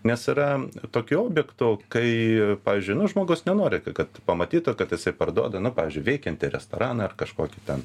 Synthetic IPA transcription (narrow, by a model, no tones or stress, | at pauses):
nʲɛsɪɾɐt̪oːkʲuoːbʲjɛkt̪ʊkɐɪpɑːʋʲiːzʲd͡ʒʲʊɪnʊʒmoːɡɐʊsnʲɛnoːɾʲɪkkɐt̪pɐmɐt̪ʲiːt̪ʊkɐt̪jɪsɐɪpɐrd̪ṵɔd̪ɐnʊpɑːʋʲiːzʲd͡ʒʲʊɪʋʲɛɪkʲɛnʲt̪ʲɪɾʲɛst̪o̰ːɾɑːnɐɐrkɐʃkoːkʲɪt̪ʲɛn